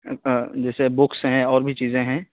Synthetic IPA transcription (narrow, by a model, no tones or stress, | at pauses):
d͡ʒɛːsebʊksɦɛ̃ɔːɾbʱit͡ʃiːzẽɦɛ̃ː